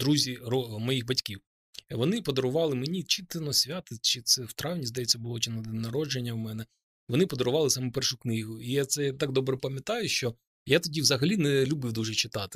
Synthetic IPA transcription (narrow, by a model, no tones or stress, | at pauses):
d̪ɾuzʲirɔmɔjixbɐtʲkʲiw | ʋɔnɪpɔd̪ɔɾʊʋɑlˠɪmenʲit͡ʃɪt̪ɪnɔsʲʋʲat̪ɪt͡ʃɪt̪sɛwt̪ɾɑwnʲizd̪ɐjɛt͡sʲːɐbʊlˠɔt͡ʃɪnɐd̪ɪnɐɾɔd͡ʒenʲːɐwmɛnɛ | ʋɔnɪpɔd̪ɔɾʊʋɑlˠɪsɑmupɛrʃʊknɪɦʊijat̪sɛt̪ɑɡ̚d̪ɔbɾɛpɐmʲjɐt̪ɑjʊʃt͡ʃɔ | jat̪ɔdʲiwzɐɦɐlʲinɛlʲubɨwd̪uʒɛt͡ʃɪt̪ɑt̪ɪ̥